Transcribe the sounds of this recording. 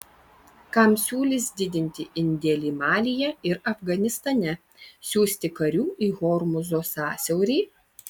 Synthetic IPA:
kɐmsʲuːlʲɪsd̪ʲɪd̪ʲɪnʲt̪ʲɪʔɪnʲd̪ʲeːlʲiːmɑːlʲɪjɛɪɾɐfɡɐnʲɪst̪ɐnʲɛ | sʲuːsʲt̪ʲɪkɐɾʲuːʔiːɣɔːɾmʊzoːsɑːsʲɛʊɾʲiː

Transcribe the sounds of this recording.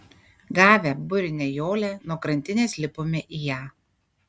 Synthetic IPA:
ɡɑːʋʲɛbʊɾʲɪnʲeːjoːlʲenuɔkɾɐnʲt̪ʲɪnʲeːsʲlʲɪpomʲeʔiːjæː

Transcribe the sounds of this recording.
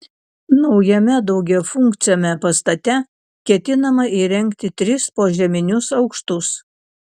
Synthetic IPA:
nɒʊjɛmʲɛd̪ɒʊɡʲɛfʊŋkt̪sʲɪjoːmʲɛpɐst̪ɐt̪ʲɛ | kʲɛt̪ʲɪnɐmɐʔiːɾʲɛŋʲkt̪ʲɪt̪ʲɾʲɪspoːʒʲɛmʲɪnʲʊsɒʊkʃt̪ʊs

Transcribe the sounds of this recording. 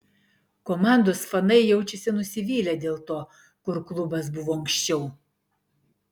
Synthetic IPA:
komɑˑnd̪oːsfɐnɐɪjɛʊt͡ʃʲɛsʲɪnʊsʲɪʋʲiːlʲæd̪ʲeːlˠt̪oː | kʊɾklˠʊbɐsbʊʋoːɐŋkʃʲt͡ʃʲɛʊ

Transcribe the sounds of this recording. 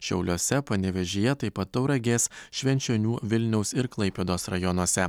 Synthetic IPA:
ʃʲɛʊlʲoːsʲɛpɐnʲɛʋʲɛʒʲejɛt̪ɐɪpɐt̪̚t̪ːɐʊɾɐɡʲeːsʃʲʋʲɛnʲt͡ʃʲonʲuːʋʲɪlʲnʲɛʊsɪɾklˠɐɪpʲeːd̪oːsɾɐjɔnuɔsʲɛ

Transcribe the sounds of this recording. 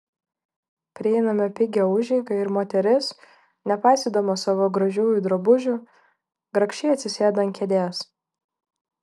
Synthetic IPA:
pʲɾʲɪɛɪnɐmʲɪpʲɪɡʲɛʊʒʲɛɪɡɐɪɾmoːt̪ʲɛɾʲɪs | nʲɛpɑɪsʲiːd̪ɐmoːsɑːʋoːɡɾɐʒʲuːjud̪ɾobʊʒʲʊ | ɡɾɐkʃʲt͡ʃʲɛɪɐt̪ʲsʲɪsʲeːd̪ɐŋkʲɛd̪ʲeːs

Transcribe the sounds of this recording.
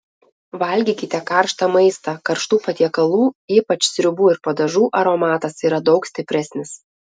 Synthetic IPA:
ʋɐlʲɡʲiːkʲɪt̪ʲɛkɑˑɾʃt̪ɐmɐɪst̪ɐkɐɾʃt̪uːpɐt̪ʲiɛkɐlˠuːiːpɐt͡ʃʲsʲɾʲʊbuːɪɾpɐd̪ɐʒuːʔɐɾomɑːt̪ɐsiːɾɐd̪ɒʊksʲt̪ʲɪpʲɾʲæsʲnʲɪs

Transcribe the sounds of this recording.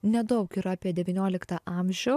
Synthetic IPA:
nʲɛd̪ɒʊkɪɾɑːpʲiɛd̪ʲɛʋʲiːnʲoɔlʲɪkt̪ɑʔɑːˑmʲʒʲɛʊ

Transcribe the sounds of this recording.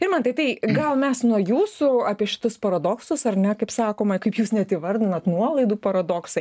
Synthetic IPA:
ɪɾmɐnt̪ɐɪt̪ɐɪɡɐlˠmʲɛsnuɔjuːsʊɑːpʲiɛʃʲɪ̥t̪ʊspɐɾɐd̪oːksʊsɐrnʲɛkɐɪpsɑːkoːmɐkɐɪpjuːsnʲɛt̪iʋɐɾʲd̪ʲɪnɐt̪nuɔlˠɐɪd̪uːpɐɾɐd̪oːksɐɪ

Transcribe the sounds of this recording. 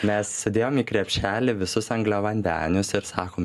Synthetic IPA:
mʲɛssʲɛd̪ʲeːjoːmiːkɾʲɛpʲʃʲæːlʲɪʋʲɪsʊsɐŋɡlʲɛʋɐnʲd̪ʲæːnʲʊsɪɾsɑːkoːm

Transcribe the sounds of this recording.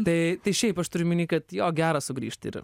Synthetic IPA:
t̪ɐt̪ɐjʃejpɐʃt̪uɾʲmʲinikɐt̪jɔːɡʲæɾɐsʊɡɾḭʃt̪ḭɾ̰

